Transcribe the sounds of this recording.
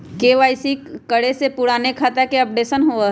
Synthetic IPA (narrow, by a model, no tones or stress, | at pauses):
keʋaːɪsikəɽesepʊɽaːnekʰaːt̪akeɐp̚ɖeːsənɦo